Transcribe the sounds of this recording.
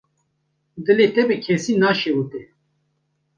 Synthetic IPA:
d̪ɨlet̪ɛbɨkʰɛsiːnaːʃewut̪ɛ

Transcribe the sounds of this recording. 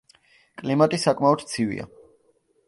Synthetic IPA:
kʼlimat̪ʼisakʼmaɔd̪t̪sʰivḭa̰

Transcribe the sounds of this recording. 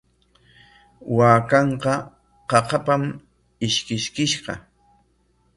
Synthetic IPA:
waːkɑɴqɑ | qɑqɑpam | ɪʃkɪʃkɪʃɢɑ̰

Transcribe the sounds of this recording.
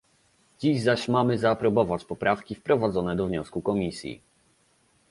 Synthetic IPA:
d͡ʑiʑzaɕmamɘzapɾɔbɔvat͡ɕpɔpɾafkʲifpɾɔvad̪zɔnɛd̪ɔvɲɔskukɔmʲisʲjḭ

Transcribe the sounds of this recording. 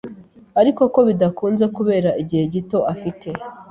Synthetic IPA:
aɾiko̞ko̞βidakuːnze̞kuβe̞ːɾaʔiɟihe̞ɟito̞ʔafitʰe̞

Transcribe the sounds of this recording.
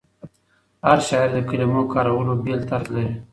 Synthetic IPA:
haɾʃɑɾd̪əkilimokɑɾawəlobelt̪aɾlaɾi

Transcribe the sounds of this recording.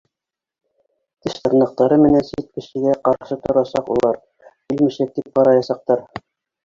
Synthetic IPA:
t̪ɘʃt̪ɤ̆ɾnɤ̆q̚t̪ɑɾɤmɘ̆nænsit̪̚kɘ̆ʃɘ̆ɡæqɑɾʃɤt̪ŏɾɑsɑqṵlˠɑɾ | kilmiɕæk̚d̪ip̚qɑɾɑjɑsɑq̚t̪ɑɾ

